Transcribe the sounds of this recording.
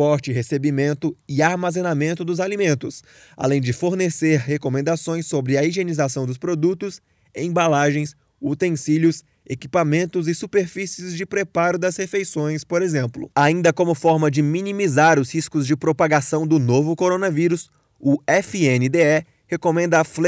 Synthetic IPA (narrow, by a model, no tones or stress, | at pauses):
fɔɾt͡ʃɪɦesebimẽnt̪ʊɪaɾmazẽnamẽnt̪ʊd̪ʊzalimẽnt̪ʊs | a̰lẽj̃d͡ʒɪfoɾneseɾhekomẽnd̪asõj̃sːobɾɪɐiʒenizasɐ̃w̃d̪ʊspɾod̪ut̪ʊs | ḛ̃balaʒẽj̃s | ut̪ẽsiʎʊs | ekipamẽnt̪ʊzɪsupeɾfisiɪzd͡ʒɪpɾepaɾʊd̪ɐshefejsõj̃spoɾezẽmplʊ̰aĩnd̪ɐkõmʊfɔɾmɐd͡ʒɪminimizaɾʊshiskʊzd͡ʒɪpɾopaɡasɐ̃w̃d̪ʊnovʊkoɾõnɐviɾʊs | ʊɛfienɪd̪eɛ | hekomẽnd̪ɐfl